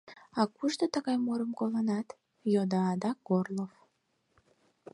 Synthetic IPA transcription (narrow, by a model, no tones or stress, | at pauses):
ɑkuʒd̪ət̪əɣɑjmoɾəmkolˠənɑt̪ | jod̪ɑːd̪ɑɡorlˠof